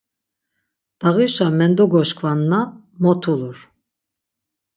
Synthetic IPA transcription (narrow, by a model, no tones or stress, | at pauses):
d̪̥aɣiʃamɛnd̪ɔɡɔʃkʰvanːa | mɔt̪ʰuluɾ